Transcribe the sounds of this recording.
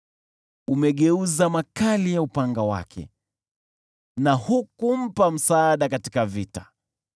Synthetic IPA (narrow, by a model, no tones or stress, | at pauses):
umɛɠɛuzamakalijaupaŋɡawa̰kʰɛ̰ | nahukum̩pam̩saːɗakatikavitḁ